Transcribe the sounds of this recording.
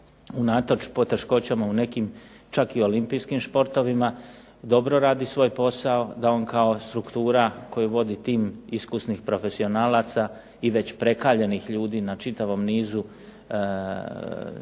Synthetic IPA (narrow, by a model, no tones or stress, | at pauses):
unat̪ot͡ʃpo̞t̪e̞ʃko̞t͡ɕamaune̞kim | t͡ʃakio̞limpijskimspo̞ɾt̪o̞ʋima | d̪o̞bɾo̞ɾaːd̪isʋo̞ːjpo̞sao̞d̪ao̞nkao̞st̪ɾukt̪uːɾako̞juʋo̞d̪it̪iːmiskusnixpɾo̞fe̞sio̞naːlat̪sa | iʋe̞t͡ɕpɾe̞kaːʎe̞nixʎuːd̪iːnat͡ʃit̪aʋo̞mniːzu